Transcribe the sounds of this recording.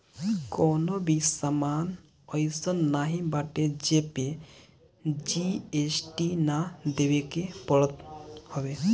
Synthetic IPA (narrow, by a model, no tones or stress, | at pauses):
kɔnobisaman | ɔjsənːaɦĩbaʈed͡ʒepe | d͡ʒiesʈinad̪ebekepɔɽɔt̪hɔbe